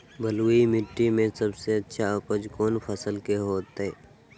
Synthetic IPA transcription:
bʱəluimɪʈːimẽsəbseɐtːʃʰakəd͡ʒkoːnpʰəsəlkeɦoːt̪ɦeː

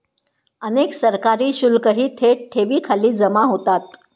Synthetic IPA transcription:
əneksəɾkaɾiːɕulkəɦiːt̪ʰeʈʰeʋiːkʰaliːd͡zəmaɦot̪at̪̚

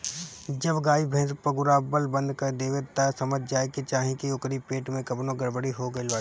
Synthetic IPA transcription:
d͡ʒɐbɡaːibʱɛ̃ːd͡ʒpɐɡʊɾaːbəlbɐ̃nd̪kɐd̪eːʋet̪ɐsɐməd͡ʒʱd͡ʒaːeket͡ʃaːɦĩkiʊkɾipeːʈmẽkɐpnõɡɐɽbəɽiɦoɡɐelaː

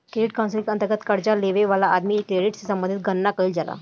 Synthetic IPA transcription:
keiʈ̚kanslikə̃nt̪əɾɡət̪kəɾd͡ʑaleʋeʋalaʔːd̪miːekːɾeɽiʈsesəmbənd̪ʱit̪̚ɡʱənːakəiːld͡zala̰

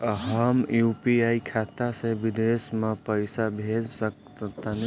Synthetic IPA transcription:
ɦəmjupiaikʰaːt̪aseʋid̪esmẽpəjsabʱed͡ʒsəkt̪t̪an

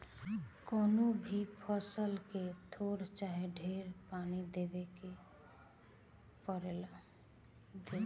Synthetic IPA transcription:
koːnobʱipʰɔsəlket̪ʰoːɾt͡ʃaːɦeɖʱeːɾpaːnid̪eːbeke | pəɾeːla | d̪e

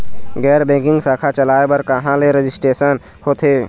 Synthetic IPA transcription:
ɡɛːɾbẽːkɪ̃ŋɡsaːkʰat͡ʃəlaːebəɾkəɦãleɾed͡ʒɪsʈeːsən | hoːt̪ʰeː

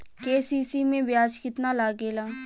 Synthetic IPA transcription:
keːsiːsiːmẽːbɪjaːd͡ʒkɪt̪naːlaːɡeːlaː

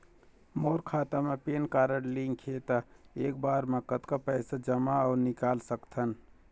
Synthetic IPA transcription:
moːɾkʰaːt̪amepeːnkaːɾəɽliŋkʰet̪aeːk̚baːɾmẽkət̪kapɛːsad͡ʒəmaɔːɾnɪkaːlsəkt̪ʰən

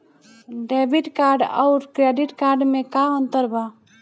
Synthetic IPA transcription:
ɖeːbiʈkaːɾɖa̰wɾkɾeɖiʈkaːɾɖmẽkaõnt̪əɾba

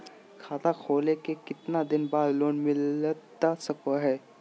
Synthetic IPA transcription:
kʰat̪akʰolekekɪt̪nad̪inbad̪loːnmɪlət̪dasəkoɦɛ

